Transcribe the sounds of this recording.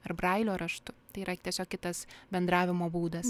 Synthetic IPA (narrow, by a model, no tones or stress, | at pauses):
ɐrbɾɐɪlʲoːɾɐʃt̪ʊt̪ɐɪiːɾɐt̪ʲiɛsʲoːkʲɪt̪ɐsbʲɛnd̪ɾɑːʋʲɪmoːbuːd̪ɐs